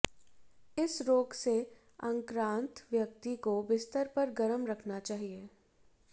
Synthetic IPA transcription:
ɪsɾoːɡse | ɐ̃ŋkɾãːnt̪ʋjəkt̪ikobɪst̪əɾpɐɾɡɐɾəmɾɐkʰnat͡ʃaːɦieː

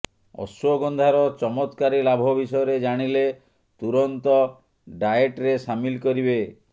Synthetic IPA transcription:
ɔ̰sɔɡɔnd̪ʱaɾɔt͡ʃɔmɔt̪kaɾilabʱɔbisɔjɔɾed͡ʒaɽ̃ile | t̪uɾɔnt̪ɔ | ɖajeʈɾesamilkɔɾibe

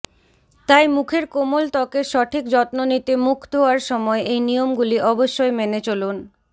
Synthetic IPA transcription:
t̪ajmukʰeɾkomolt̪ɔkeɾʃɔʈʰik̚d͡ʑɔt̪nonit̪emukʰd̪ʱooaɾʃɔmɔeʔejnijomɡuliʔɔboʃːoemenet͡ɕolun

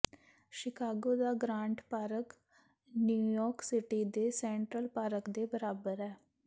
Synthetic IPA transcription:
ʃɪkaːɡoːd̪aːɡɾãːɳʈpaːɾək | njuːjɔːɾksɪʈiːd̪eːsɛ̃ːɳʈɾəlpaːɾəkd̪eːbəɾaːbəɾɛː

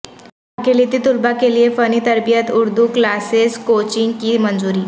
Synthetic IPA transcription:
akelit̪iːt̪ulbakelijefəniːt̪əɾbijət̪uɾd̪ʱuklaseskot͡ɕiŋɡkiːmənd͡zuɾiː

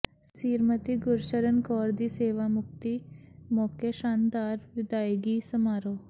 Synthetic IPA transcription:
siːɾmət̪iɡʊɾʃəɾənkɔːɾd̪iːseːʋamʊk̚t̪imɔːkeʃaːnd̪aːɾʋɪd̪aːjɡiːsɐmaːɾoː

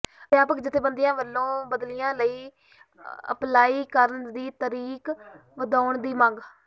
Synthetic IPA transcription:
ʋjaːpəkd͡ʒɪt̪ʰːẽːbənd̪ɪjãːʋəlːõːbəd̪lɪjãːləiː | ə̰plaːiːkəɾəɳd̪iːt̪əɾiːkʋəd̪aːʊɳd̪iːmə̃ŋɡ

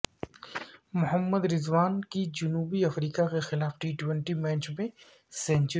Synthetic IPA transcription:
mʊɦəmːəd̪ɾɪzʋaːnkid͡ʒʊnuːbiɐfɾiːkakexɪlaːfʈiːʈwɛ̃ɳʈimɛ̃ːnt͡ʃmẽ | sɛ̃ːnt͡ʃ

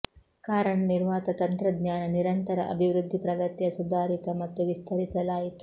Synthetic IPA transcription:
kaːɾɐɳɐniɾʋaːt̪ɐt̪ɐnt̪ɾɐd̪ɲaːnɐniɾɐnt̪ɐɾɐʔɐ̰bʱiʋɾud̪ʱːipɾɐɡɐt̪jɐsud̪ʱaːɾit̪ɐmɐt̪ːuʋist̪ʰɐɾisɐlaːjit̪u

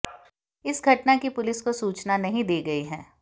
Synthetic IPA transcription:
ɪsɡʱɐʈnakipʊlɪskosuːt͡ʃnanɐɦĩd̪eːɡɐiɦɛ̃ː

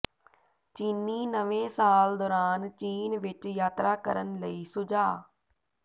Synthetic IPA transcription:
t͡ʃiːnːiːnəʋẽːsaːld̪ɔːɾaːnt͡ʃiːnʋɪt͡ʃjaːt̪ɾaːkəɾənləiːsʊd͡ʒaː

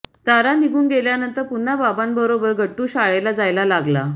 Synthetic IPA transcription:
t̪aɾaniɡuːnɡeljanənt̪əɾpun̤ːababanbəɾobəɾɡʱəʈːuːɕaɭelad͡zajlalaɡla

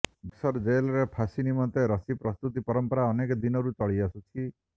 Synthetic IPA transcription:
bisɔɾd͡ʒejlɔɾepʰasinimɔnt̪eɾɔsipɾɔst̪ut̪ipɔɾɔmpɔɾaɔnekɔd̪inɔɾut͡ʃɔɭiasut͡ʃʰi

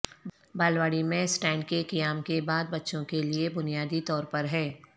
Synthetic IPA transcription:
baːlʋaːɽimẽsʈɛ̃ːɳɖ̚kekijaːmkebaːd̪̚bɐtːʃõkeliebʊnijaːd̪it̪ɔːɾpɐɾɦɛː

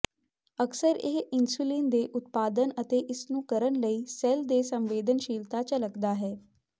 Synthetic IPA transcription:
əksəɾɪɦɪnsuːliːnd̪eːʔʊt̪̚paːd̪ənət̪eːʔɪsnũːkəɾənləiːsɛld̪eːsə̃mʋeːd̪ənʃiːlt̪aːt͡ʃələɡd̪aːɦɛː

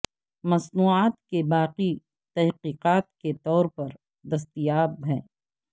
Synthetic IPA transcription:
mɐsnuːaːt̪kebaːqi | t̪ɐɦqiːqaːt̪ket̪ɔːɾpɐɾ | d̪ɐs̬t̪ijaːbɦɛ̰̃ː

